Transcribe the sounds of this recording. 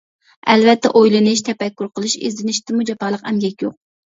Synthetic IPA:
ɛ̰lvɛt̪ʰːɛʔojlˠɨnɨʃt̪ʰɛpɛkʲːuɾqʰəlˠɨʃḛzd̪ɪnɪʃt̪ɨmud͡ʒɑpɑːlˠəqɛmɡʲɛkʲjoq̚

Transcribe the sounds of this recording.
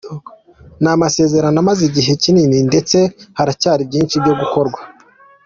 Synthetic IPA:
namase̞ːze̞ɾanamaziɟiɦe̞cinininde̞t͡se̞haɾacaːɾib̚ɟiːnʃibɟo̞ɡuko̞ɾɡwḁ

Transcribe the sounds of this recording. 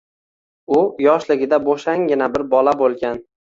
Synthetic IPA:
ʊjɒʃlɪɡʲɪd̪aboʃaŋɡʲɪnabɪɾbɒlabolˠɡʲan

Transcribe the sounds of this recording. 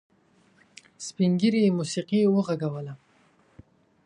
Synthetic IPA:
spiŋɡiɾimusiqiwəʁaɡawəla

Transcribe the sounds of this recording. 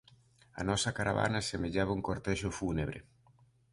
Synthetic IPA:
ɐ̰nɔsɐkaɾaβa̰nasemeʎaβɐuŋkoɾt̪ɛʃʊfuneβɾḛ

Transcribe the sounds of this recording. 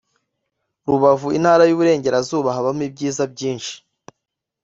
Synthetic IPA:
ɾuβavuin̥haːɾajuβuɾe̞ːɲɟe̞ɾazuːβaɦaβamuib̚ɟiːzabɟiːnʃi̥

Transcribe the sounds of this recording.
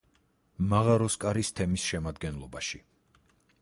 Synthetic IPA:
maʁaɾɔskʼaɾist̪ʰɛmisʃɛmad̪ɡɛnlˠɔbaʃi

